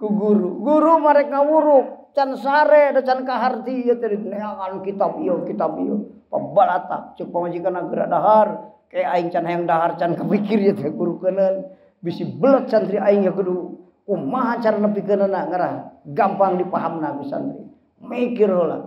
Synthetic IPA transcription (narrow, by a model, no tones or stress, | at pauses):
kuɡuɾuɡuɾumaɾɛk̚ŋawuɾut͡ʃansaɾedat͡ʃankaɦart̪ijət̪ɛlineaankit̪abiokit̪abḭjo | pa̰balat̪a̰p̚t͡ʃək̚pamad͡ʒikanaɡəda̰ʔdaɦar | kajaaiŋt͡ʃanɦajaŋdaɦart͡ʃankəpikirjət̪ɛɡuɾukənən | bisibələt̪̚sant̪ɾiaiŋjakədu | kumaɦat͡ʃaɾanapikənənaŋəɾahɡampaŋdipaɦamnakusa̰nt̪ɾḭ | mikirhola̰